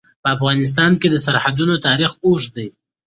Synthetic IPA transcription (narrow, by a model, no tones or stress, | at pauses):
pəafɣɑnɪs̬t̪ɑnked̪əs̬aɾhad̪unot̪ɑɾixoʂd̪aj